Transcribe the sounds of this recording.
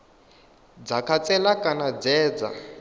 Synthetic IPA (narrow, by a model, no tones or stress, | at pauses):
d͡zakʰat͡sʼɛlakʼanad͡zɛːd͡za̰